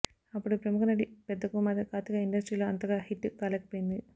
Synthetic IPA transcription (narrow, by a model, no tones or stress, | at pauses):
ɐpːuɽupɾɐmukʰɐnɐɽipɛd̪ːɐkuːmaːd̪ɐkaːt̪ikɐiɳɖɐsʈɾiloɐnt̪ɐɣɐhiʈːɨkaːlɐkːpɐjind̪i